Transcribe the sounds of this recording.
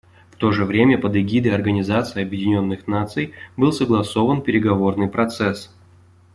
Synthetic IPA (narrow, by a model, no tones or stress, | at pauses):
ft̪o̞ʐɨvɾʲemʲəpəd̪ɪɡʲid̪əjɐrɡənʲɪzat̪sɨjɐbjɪdʲɪnʲo̞nːɨxnat̪sɨjbɨlˠsəɡlˠɐso̞vənpʲɪɾʲɪɡɐvo̞rnɨjpɾɐt̪sɛs